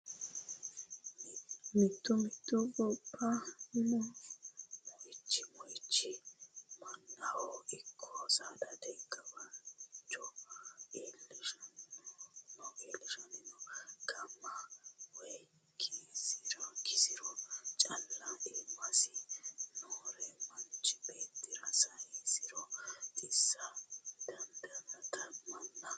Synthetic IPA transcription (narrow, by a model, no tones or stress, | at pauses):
mɪt̪ʰːɔmɪt̪ːɔbɔpʰːɐnɔ | mɔjɪt͡ʃːɪmɔjɪt͡ʃːɪmɐnːɐhɔɪkʰːɔsad̪ɐd̪ɛɡɐbɐnt͡ʃːɔ | eːlːɪʃɔn | nɔkeːlːɪʃɔnɪnɔɡ̥ɐmːɐwɛj | kʰisɪɾɔkɪsɪɾɔt͡ʃʼɐlːɐʔɪmːɐsɪnoːɾɛmɐnt͡ʃʼːɪ̥beːt̪ːɪɾɐsɐɛsɪɾɔt̪ʼɪsːɐd̪̥ɐnd̪ɐnɐt̪ɐmɐnːɐ